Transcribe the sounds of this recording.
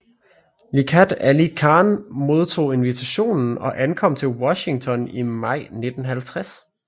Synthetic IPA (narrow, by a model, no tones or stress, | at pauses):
likʰæd̥ælikʰɑ̈ːnmo̝ð̞ˠt͡sʰo̝̰ːe̝nʋit͡sʰæɕo̝̰ːnn̩ɒ̽ʔænkʰɒ̽m̰t͡sʰe̝lwɒ̽ɕɪŋt͡sʰɒ̽nimɑ̈ɪ̰ne̝d̥n̩ɦælt͡sʰʁas